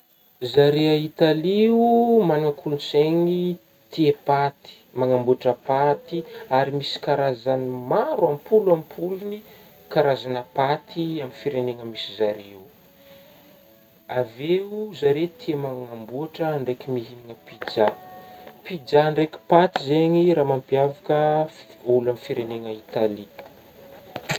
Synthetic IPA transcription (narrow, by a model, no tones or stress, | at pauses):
zaɾeait̪aliumanaŋkʰulunseŋi | t̪iepat̪i̥maŋambuaʈ͡ʂəpat̪iaɾimisi̥kaɾazanimaɾwampuluampʰuluni | kaɾazanəpat̪ʰiamifiɾeneŋəmisizaɾiu | aveuzaɾet̪ʰiəmaŋambuaʈ͡ʂəːɳɖ͡ʐejkimiɦiniŋəpid͡ʒa | pid͡ʒaɳɖ͡ʐeki̥pat̪izeɲiɾaːmampiavakə | ulamifiɾeneŋəit̪ali